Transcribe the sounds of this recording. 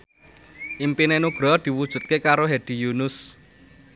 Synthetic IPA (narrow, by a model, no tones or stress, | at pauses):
ʔimpinenuɡ̥ɾɔd̪̥i̤wud̥ʒ̥ṳt̪̚kekaɾoɦed̪̥i̤junʊs